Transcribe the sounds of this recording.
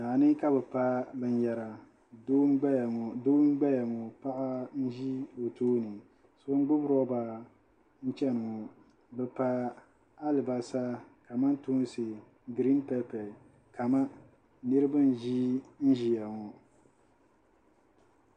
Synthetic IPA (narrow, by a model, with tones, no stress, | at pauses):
naː˨nɨ˦ka˦bɛ˨pa˦bɛ˨n˦ja˨ɾa˨ | do˦ɡ͡ba˦˨ŋ˨do˦m˦ɡ͡ba˦ja˨ŋɔ˨pa˦ʔa˦n̩˦ʒi˦o˨toː˦nɨ˨ | so˦ŋ˦ɡ͡bʊ˦bɾɔ˦ba˨ | n̩˦t͡ʃɛ˦n˨ŋɔ˨ | bɛ˨pa˦ | a˦lɪ˨ba˨saː˦ka˨ma˦n˦tu˦n˦sɨ˨ | ɡɾi˦npɛ˦pɛ˨ | ka˨ma˦ | nɨ˦ɾɨ˦ba˦n˦ʒi˦n̩˦ʒi˨ja˨ŋɔ˨